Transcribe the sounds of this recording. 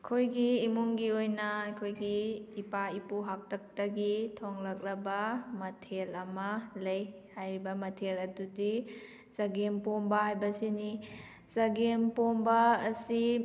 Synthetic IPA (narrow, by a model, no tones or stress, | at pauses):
kʰojɡiːmuŋɡiojnɐɐjkʰojɡiːpaipuɦak̚tʰɐk̚tɐɡitʰoŋlɐk̚lɐbɐmɐtʰelɐmɐlɐj | hajɾibɐmɐtʰelɐdudi | z̥ɐɡempombɐhajbɐsini | zɐɡempombɐːsi